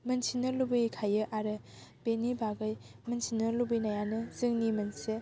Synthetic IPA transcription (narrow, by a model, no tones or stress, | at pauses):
mɐnsinɐlubɯjkʰajɯʔaɾɯ | b̥enibaɡɯjmɐnsinɐɾlubɯjnajanɯzɯŋnimɐnse